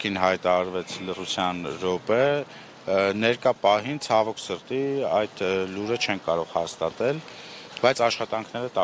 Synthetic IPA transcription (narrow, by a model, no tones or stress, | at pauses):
kʰinɦɑjt̪ɑɑɾvɛt͡sʰlərut͡sʰjɑnɾɔpə | nɛɾkɑpɑɦint͡sʰɑvɔkʰsəɾt̪iɑjd̪luɾət͡ʃʰɛnkɑɾɔʁhɑst̪ɑt̪ɛl | b̥ɑjt͡sʰɑʃχɑt̪ɑŋkʰnɛɾət̪ɑ